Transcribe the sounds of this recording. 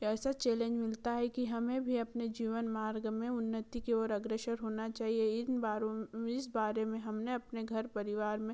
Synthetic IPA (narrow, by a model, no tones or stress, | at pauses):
ɛːsat͡ʃeːlẽːɲd͡ʒmɪlt̪aɦɛkiɦɐmẽbʱiɐpned͡ʒiːʋənmaːɾɡmẽʊnːət̪ikeɔːɾɐɡɾeʃəɾɦoːnat͡ʃaːɦieɪaɾɪsbaːɾemẽɦɐmneɐpneɡʱɐɾpɐɾɪʋaːɾmẽ